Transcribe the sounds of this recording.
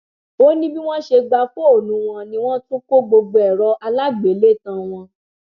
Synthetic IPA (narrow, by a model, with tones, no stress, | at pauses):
o˦nĩ˦bi˦w̃ɔ̃˦ʃe˧ɡ͡ba˧fo˦o˦˨nũ˨˦w̃ɔ̃˧nĩ˧w̃ɔ̃˦tu˦ko˦ɡ͡bo˧ɡ͡bo˧ɛ˦˨ɾɔ˧˦ʔa˧la˦ɡ͡be˨˦le˦˨tã˧w̃ɔ̃˧